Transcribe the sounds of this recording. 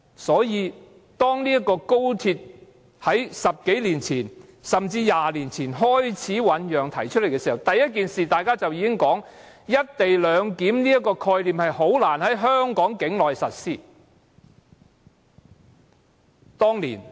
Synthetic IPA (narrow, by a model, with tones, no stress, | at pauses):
sɔː˨˥jiː˨˧ | t̪ɔː˥ŋniː˥jɐ˥tkːɔː˧ko˥wt̪ʰiː˧t̚ | hɐ˨˥jsɐ˨p̚ke˨˥jliː˨˩nt͡sʰiː˨˩n | sɐ˨mt͡siː˧jaː˨liː˨˩nt͡sʰiː˨˩nɦɔː˥jt͡sʰiː˨˥wɐ˨˧˥njœː˨ŋt̪ʰɐ˨˩jt͡ʃʰɵ˥le˨˩kɛː˧˥i˨˩ɐ˨˩wt̪ɐ˨jːɐ˥t̚kiː˨nsiː˨t̪aː˨jkaː˥t͡sɐ˨wjiː˨˧kɪ˥ŋkɔː˨˥ŋ | jɐ˥t̚t̪e˨jlœː˨˧ŋkiː˨˥mniː˥ɐ˥kɔː˧kʰɔː˧jliː˨˩mhɐ˨jɦo˨˥wlaː˨˩nhɐ˨˥jɦœː˥ŋkɔː˨˥ŋkɪ˨˥ŋlɔː˨jsɐ˨t̚siː˥˩ | t̪ɔː˥ŋlḭː˨˩n